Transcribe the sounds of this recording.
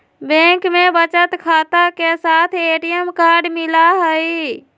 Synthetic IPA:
bẽŋkmebət͡ʃət̪kʰaːt̪akesat̪ʰeʈijəmkaɾɖmɪlaɦəj

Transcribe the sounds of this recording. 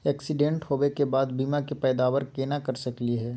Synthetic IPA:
ɛːksɪɖẽːɳʈhoːʋekebaːd̪biːmakepɛːd̪aːʋəɾkeːnakɐɾsɐkliɦɛː

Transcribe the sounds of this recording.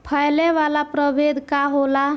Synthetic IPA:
pʰəjleʋalapɾəbed̪ʱkaɦola

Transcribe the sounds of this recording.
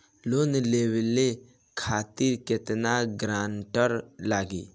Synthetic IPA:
lonleːwle | kʰaːt̪iɾkɪt̪naɡɾaːɳʈəɾlaːɡi

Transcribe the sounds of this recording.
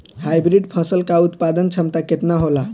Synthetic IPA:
hajbɾiɖpʰə̃səlkaut̪pad̪ənt͡ʃʰəmt̪aket̪naɦola

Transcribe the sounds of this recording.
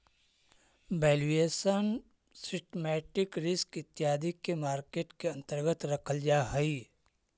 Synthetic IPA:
bɛːleːsən | sɪsʈmɛːʈɪkɾɪskɪt̪jaːd̪ʱikːemaːɾkeːʈkeɐ̃nt̪əɾɡət̪ɾɐkʰəld͡ʒaːɦɛi

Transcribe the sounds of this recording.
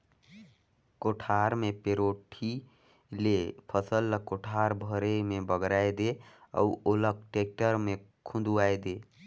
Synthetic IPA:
koʈʰaɾmepeɾoʈʰi | lepʰəsəlːəkoʈʰaɾbʱəɾemebəɡɾajd̪eə̰uolək̚ʈek̚ʈəɾmekʰũnd̪uajd̪e

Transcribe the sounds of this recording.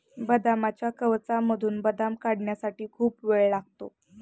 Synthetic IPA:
bəd̪amat͡ɕjakəʋt͡saməd̪ʱuːnbəd̪amkaɽɳjasaʈiːkʰuːpʋeɭlaɡ̚t̪o̰

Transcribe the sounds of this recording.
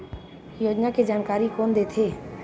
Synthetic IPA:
joːd͡ʒnaked͡ʒaːnkaːɾikoːnd̪eːt̪ʰeː

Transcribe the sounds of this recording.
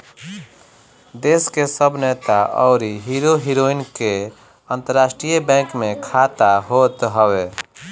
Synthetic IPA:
d̪eskesəbʱnet̪aʔɔ̰ʊɾiɦiɾoɦiɾoinke | ənt̪əɾːasʈɾijəbɛ̃kmekʰat̪aɦot̪ɦəwe

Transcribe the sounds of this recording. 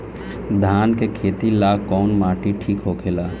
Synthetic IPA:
d̪ʱaːnkekʰeːt̪ilaːkːɔːnmaːʈiʈʰiːkɦokʰelaː

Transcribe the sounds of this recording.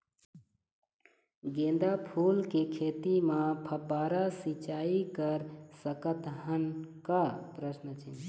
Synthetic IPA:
ɡẽːnd̪apʰuːlkekʰeːt̪imãpʰəbːaːɾasit͡ʃaːikəɾsəkət̪ɦənkapɾəsnət͡ʃʰɪn

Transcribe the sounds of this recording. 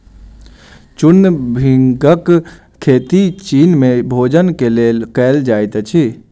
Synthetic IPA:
t͡ʃʊnbʱɪ̃ŋɡək | kʰːeːt̪it͡ʃiːnmẽbʱoːd͡ʒənkeleːlkɛːld͡ʒaːit̪t͡ʃʰi

